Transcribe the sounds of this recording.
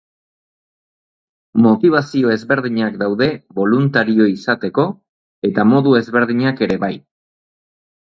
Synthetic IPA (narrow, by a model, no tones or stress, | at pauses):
mo̞t̪iβ̞asio̞e̞zβe̞ɾðiɲakd̪awðe̞βo̞lunt̪aɾio̞isat̪e̞ko̞ | e̞t̪amo̞ðue̞zβe̞ɾðiɲake̞ɾe̞βaj